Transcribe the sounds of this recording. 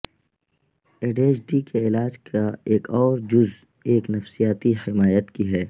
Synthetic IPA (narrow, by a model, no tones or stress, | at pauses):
eːɖeːt͡ʃɖikeɪlaːd͡ʒkʰaeːkɔːɾd͡ʒʊz | eːknɐfsijaːt̪ihɪmaːjət̪kiɦɛː